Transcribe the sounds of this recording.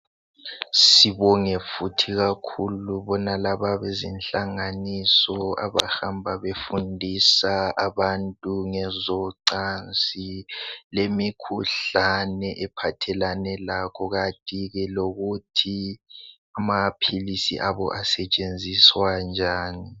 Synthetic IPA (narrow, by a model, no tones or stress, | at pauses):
siβɔŋɛfutʰiɣakʰuluβɔnalaβaβezinɬaŋanisɔa̰βa̰hambʱaβefundʱisaaβantʼuŋɛzɔǀant͡silemikʰuɬanɛʔɛpʰatʰɛlanɛlakʰɔɣatʼiɣɛloɣutʰi | amapʰilisḭʔaβɔ̰ʔasɛt͡ʃʼend͡zʱiswand͡ʒʱaːni